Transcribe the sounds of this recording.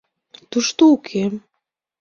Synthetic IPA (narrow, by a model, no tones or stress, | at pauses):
t̪uʃt̪oukʰem